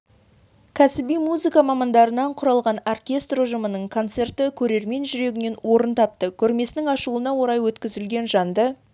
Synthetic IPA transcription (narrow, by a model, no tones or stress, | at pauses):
kʲʰæsɪbijmuzɨkɑmɑmɑnd̪ɑɾənɑɴqʰʊɾɑlˠʁɑnorkʲe̞st̪roʒəmənəɴkʰo̞nt̪se̞rt̪ɪkʲʰɵɾe̞ɾme̞nʒʏɾe̞ɡʲɪne̞nwo̞ɾənt̪ʰɑp̚t̪əkʲʰɵɾme̞sɪnɪŋɑʃuənɑwo̞ɾɑjwɵt̪kʲɪzɪlɡʲe̞nʒɑnd̪ə